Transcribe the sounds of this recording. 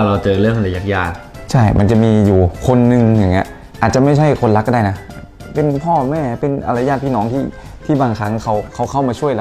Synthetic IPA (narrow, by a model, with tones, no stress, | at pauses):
a˧˩ɾa˧wt͡ɕɤː˧lɯ˥˩əŋa˧˩la˧˩ja˦˥k̚jaː˧˩t̪̚ | t͡ɕʰa˥˩jma̰˧nt͡ɕa˨˩ʔmiː˧juː˨˩kʰo˧nːɯ˧ŋja˨˩ŋːɲi˦˥ə | ʔaː˨˩t̪̚t͡ɕa˨˩ma˥˩jt͡ɕʰa˥˩jkʰo˧nla˦˥kːda˥˩jna˦˥˧ | pe˧npʰɔː˥˩mɛː˥˩pe˧nʔa̰˧la˧jaː˥˩t̪̚pʰiː˥˩nɔː˩˦ŋt̪ʰiː˥˩ | t̪ʰiː˥˩baː˧ŋkʰa˦˥ŋkʰa˧˥˩wkʰa˧˥˩wkʰa˥˩wmaː˧t͡ɕʰu˥˩əjla˧